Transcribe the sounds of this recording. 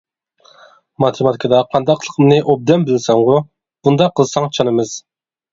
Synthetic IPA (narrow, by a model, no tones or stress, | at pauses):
mɑt̪ʰɪmɑt̪ʰɪkʰəd̪ɑqʰɑnd̪ɑqʰlˠə̥qʰəmnɨʔob̚d̪ɛnbɪlsɑŋʁʊ | b̥und̪ɑqʰːəlˠsɑŋt͡ʃʰɑnɨmɨz̥